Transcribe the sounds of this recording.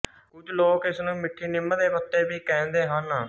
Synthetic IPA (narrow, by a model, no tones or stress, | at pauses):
ʊd͡ʒloːkɪsnũːmɪʈʰːiːnɪmːəd̪eːpət̪ːeːbiːkɛ̃ːnd̪eːɦən